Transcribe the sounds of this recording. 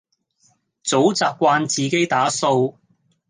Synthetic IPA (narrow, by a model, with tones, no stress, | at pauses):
t͡so˨˥wt͡saː˧p̚kʷaː˧nt͡siː˨ke˨˥jt̪aː˨˥so˧w